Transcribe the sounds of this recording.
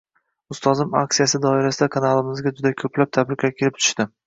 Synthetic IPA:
ʊst̪ʰɒzɪma̰k̚t̪ijasɪd̪ɒɪɾasɪd̪akʰanalˠɪmɪzɡʲad͡ʒʊd̪akʲʰɵpʰlap̚t̪ʰabɾɪqʰʲakʲʰelɪp̚t̪ʰʊ̥ʃt̪ɪ

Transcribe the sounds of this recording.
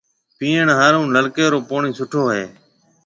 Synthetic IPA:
pĩːəɳɦaːɾũːnləlkeːɾoːpoːɳiːsʊʈʰoːɦḛː

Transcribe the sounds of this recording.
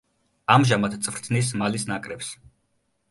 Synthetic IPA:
amʒamat̪t̪sʼvɾt̪ʰnis̬malisnakʼɾɛps

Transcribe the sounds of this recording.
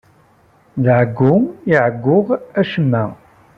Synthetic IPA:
ðʕəɡːʊiʕəɡʷːʊʁæʃəmːæ

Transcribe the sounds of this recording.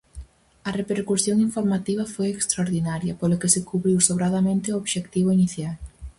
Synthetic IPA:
ɐrepeɾkusjoŋiɱfoɾmat̪iβ̞ɐfojekst̪ɾaoɾðinaɾjɐpolʊkesɪkuβɾiwsoβɾaðamẽnt̪ɪooβʃekt̪iβoiniθjal

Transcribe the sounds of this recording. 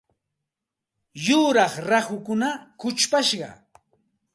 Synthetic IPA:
jʊɾɑχɾaχʊkʊnakʊt͡ʃpaʃɢɑ̰

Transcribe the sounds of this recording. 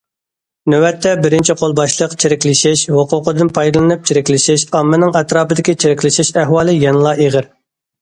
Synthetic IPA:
nøwɛt̪ʰːɛbɪɾɪnt͡ʃʰiqʰolˠbɑʃlˠəqt͡ʃʰeɾɪkʲlɪʃɪʃhʊqʰʊqəd̪ɨnpʰɑjd̪ɨlˠɨnɨp̚t͡ʃʰiɾɪkʲlɪʃɪʃɑmːɨnɨŋɛt̪ɾɑːbɨd̪ɪkʲit͡ʃʰeɾɪkʲlɪʃɪʃæɦwɑːlˠɨjɛnɨlˠɑʔeʁɪɾ

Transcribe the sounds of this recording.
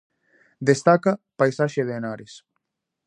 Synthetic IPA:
d̪est̪akɐpajsaʃeðenaɾɪs

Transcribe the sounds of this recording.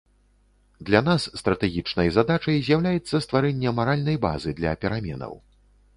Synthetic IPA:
d̪lʲan̪asːt̪ɾɐt̪ɛɣʲit͡ʂnɐjzad̪at͡ʂɐjzʲjawlʲajɛt̪sːɐst̪vaɾɛnʲːɛmaɾalʲnɐjba̰zɨd̪lʲɐ̰pʲɛɾamʲɛ̰nɐ̰w

